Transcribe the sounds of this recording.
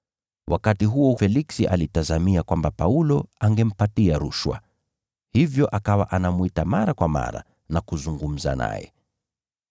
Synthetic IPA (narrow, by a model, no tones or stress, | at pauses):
wʔakatiɦuɔfɛliksiʔalitazamiakwambapaulɔaŋɡɛm̩patiaɾuʃwa̰ | hivjɔʔakawaʔanamwitamaɾakwama̰ɾa̰ | nakuzuŋɡum̩za̰na̰jɛ̰